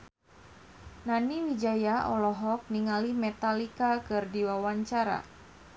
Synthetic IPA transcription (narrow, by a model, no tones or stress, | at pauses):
naniwid͡ʒajaʔɔlɔɦɔk̚niŋalimɛt̪alikakɨrdiwawaɲt͡ʃaɾa̰